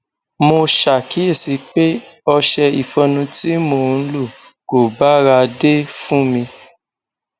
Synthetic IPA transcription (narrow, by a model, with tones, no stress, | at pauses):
mo˧ʃa˨ki˨˦e˦˨si˨˧˦k͡pe˦ɔ˧ʃɛ˧i˨fɔ̃˧nũ˧ti˦mo˧˨˧n̩˦lu˦˨ | ko˨ba˦ɾa˧de˦fũ˦mĩ˧